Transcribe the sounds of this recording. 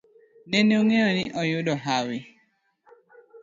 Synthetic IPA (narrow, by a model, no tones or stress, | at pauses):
neneoŋeɔnɪʔɔjʊdɔɦawɪ